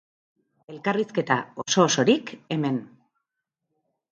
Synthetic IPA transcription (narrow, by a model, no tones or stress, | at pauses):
e̞lkariske̞t̪a̰o̞so̞ːso̞ɾike̞me̞n